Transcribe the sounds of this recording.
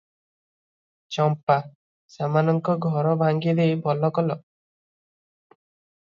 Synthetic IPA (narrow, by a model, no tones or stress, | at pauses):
t͡ʃɔmpa | samanɔŋkɔɡʱɔɾɔbʱaŋɡid̪ejbɔlɔkɔlɔ